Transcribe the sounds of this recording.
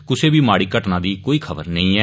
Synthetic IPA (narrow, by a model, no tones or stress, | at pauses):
kʊseːbiːmaːɽiːkəʈnãːd̪iːkoːiːkʰəbəɾnəĩːɛː